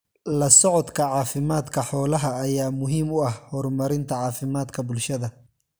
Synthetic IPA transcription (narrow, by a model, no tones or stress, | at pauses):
lɐsɔʕɔd̪kʰɐʕɑːfɪmaːd̪kʰɐħɔːlɐɦɐːjaːmʊɦiːmʊɐhhɔrmɐɾɪnt̪ʰɐʕɑːfɪmaːd̪kʰɐbʊlʃɐðɐ